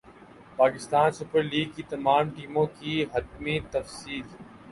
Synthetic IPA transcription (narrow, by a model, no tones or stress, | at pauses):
paːkɪst̪aːnsʊpəɾliːɡ̚kit̪ɐmaːmʈiːmõkiɦɐd̪mit̪ɐfsiːl